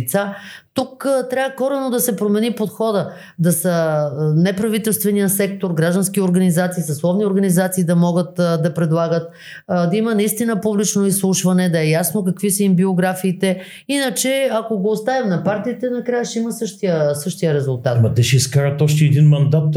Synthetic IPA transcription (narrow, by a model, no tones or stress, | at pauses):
t̪sat̪ukt̪ɾʲavəkɔɾɛnod̪ɐsɛpɾomɛnipot̪xɔd̪ə | d̪ɐsənɛpɾɐvit̪ɛlˠst̪vɛnijəsɛk̚t̪oɾɡɾaʒd̪ɐnsk̟ioɾɡɐnizat̪siːsɐslˠɔvnioɾɡɐnizat̪siːd̪ɐmɔɡət̪d̪ɐpɾɛd̪lˠaɡət̪ | d̪ɐimənɐist̪inəpublit͡ʃnoislˠuʃvɐnɛd̪ɐɛjasnok̬ɐkvisəimbioɡɾafiːt̪ɛ | inət͡ʃɛakoɡoːst̪avimnɐpaɾt̪iːt̪ɛnɐkɾajəʃt̪ɛiməsɤʃt̪ijəsɤʃt̪ijəɾɛzulˠt̪at̪mɐt̪ɛʃɛiskaɾət̪ɔʃt̪ɛɛd̪inmɐnd̪at̪